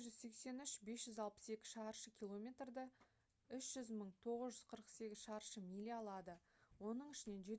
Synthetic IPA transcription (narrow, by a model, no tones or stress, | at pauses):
ʒʏzse̞kse̞nʏʃbe̞sʒʏzɑlˠpə̥se̞kʲɪ̥ʃɑɾʃəkʲilˠo̞mʲe̞t̪rd̪ə | ʏsʒ̥ʏzməɴt̪ʰo̞ʁəzʒʏz̥qʰəɾəqse̞ɡʲɪz̥ʃɑɾʃəmilʲiɑlˠɑd̪ə | wo̞nəɴɪʃɪne̞nʒe̞